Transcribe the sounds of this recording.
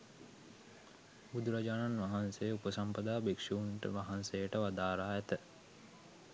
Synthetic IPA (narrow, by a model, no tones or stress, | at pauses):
bud̪uɾad͡ʒaːnanʋaɦansejupəsɐmpəd̪aːbekʂuːnʈə̰ʋaɦansejəʈəʋad̪aːɾaːɛt̪ə